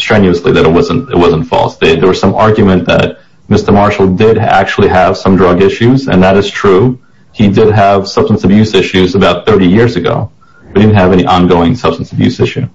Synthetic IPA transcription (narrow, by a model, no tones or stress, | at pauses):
stɹ̥ɛ̃njʉəsliðɨɾɨt̚wʌzə̃ntɨ̰t̚wʌz̃n̩tfɔ̰lˠsðeɪðə˞wʌz̥sʌ̃mɑɹɡjmɨ̃nðɨ̰t̚ | mɪstə˞mɑɹʃl̩ˠdɪɾæ̰k̚t͡ʃul̩ˠiəv̥sʌ̃mdɹʌɡɪʃʉzɨ̰̃nðɨɾɨz̥tʰɹ̥u | idɪd̚əv̥sʌb̥stn̩sʌbjʉsɪʃʉzəbaʊt̪̚θɜ˞ɾijɪɹzɨɡo̰ʊ | bdɪdⁿn̩tɦɨvɛniʔɑ̃nɡoʊɪ̃ŋsʌb̥stn̩səbjʉ̰sɪʃʉ